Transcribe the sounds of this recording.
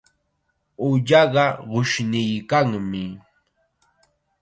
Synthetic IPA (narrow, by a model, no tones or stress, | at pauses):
ʊʎɑɢɑɢʊʃnɪjkaŋmɪ